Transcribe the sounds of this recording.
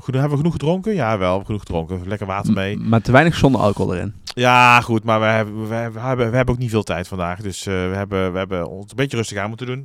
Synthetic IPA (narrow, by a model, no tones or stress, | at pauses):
χənɦɛbəʋəχənuxχədroŋkənjaːʋɛlˠɦɛbʋəxənuχədroŋkəlɛkəɹʋaːtəɹmejmaːtəʋɛjnəxsɔndəɑ̰ko̰də̰ɾɪ̰njaːχutmaːɹʋəɛʋəɛbəʋəɦɛbənowk̚nitvɪːlˠtɛjtfɑndaːχdɵsʋəɦɛbəʋəɦɛbəɔ̰nsənbejtərɵstəɣaːnmutədun